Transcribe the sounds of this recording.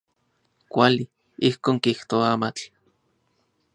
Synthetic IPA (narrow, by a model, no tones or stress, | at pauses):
kʷali | ihkoːŋkiht̪oaamat͡ɬ